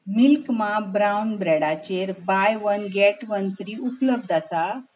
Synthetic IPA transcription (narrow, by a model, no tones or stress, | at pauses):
milkmabɾawnbɾɛɽat͡ɕeɾbajʋənɡɛʈʋənt̪ʰɾiːupləb̚d̪asa